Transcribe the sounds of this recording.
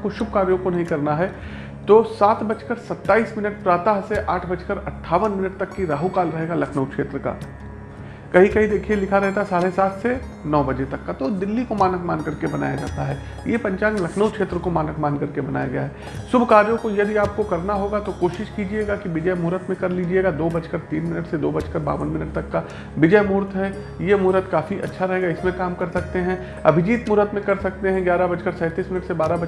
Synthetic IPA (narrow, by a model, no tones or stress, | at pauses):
koʃʊb̚ʱkaːɾjõkonɐɦĩkɐɾnaɦɛ | t̪oːsaːt̪bɐt͡ʃkəɾsɐt̪ːaːiːsmɪnəʈ̚pɾaːt̪aɦseʔaːʈʰbɐt͡ʃkəɾɐʈʰːaːʋənmɪnəʈ̚t̪ɐkːiɾaːɦukaːlɾɐɦeːɡalɐkʰnəwkʃeːt̪ɾəka̰ː | kɐɦĩkɐɦĩd̪eːkʰielɪkʰaɾɐɦet̪ʰasaːlesaːt̪ʰse | nɔːbɐd͡ʒet̪ɐkːat̪od̪ɪlːikomaːnəkmãːnkɐɾkebɐna̰ːja̰d͡ʒa̰ːt̪aɦɛː | jepɐ̃ɲt͡ʃaːnlɐkʰnəwkʃeːt̪ɾəkomaːnək̚maːnkɐɾkebɐna̰ːjaɡɐja̰ɦɛ | sʊbʱkaːɾjõkojɐbʱiaːp̚kokɐɾnaɦoːɡat̪okoːʃɪʃkiːd͡ʒieːɡakiʋɪd͡ʒəjmuːɾət̪mẽkɐɾliːd͡ʒieːɡad̪oːbɐt͡ʃkəɾt̪iːnmɪnəʈsed̪oːbɐt͡ʃkəɾba̰ːʋənmɪnəʈ̚t̪ɐkːa | ʋɪd͡ʒəjmuːɾt̪ʰɦɛ | jemuːɾət̪kaːfiʔɐ̰tːʃʰaɾɐɦeːɡaɪsmẽkaːmkɐɾsɐk̚t̪eɦɛ̃ | ɐbʱɪd͡ʒiːt̪muːɾət̪mẽkɐɾsɐk̚t̪eɦɛ̃ɡjaːɾabɐd͡ʒkəɾsɛ̃ːt̪iːsmɪnəʈsebaːɾabɐ